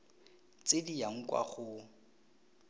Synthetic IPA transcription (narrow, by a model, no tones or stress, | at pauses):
t͡sɪdiaŋ̩kwa̰χʊ